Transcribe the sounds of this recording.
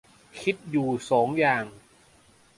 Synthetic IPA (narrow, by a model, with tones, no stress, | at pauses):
kʰi˦˥t̪̚juː˨˩sɔː˩˦ŋjaː˨˩ŋ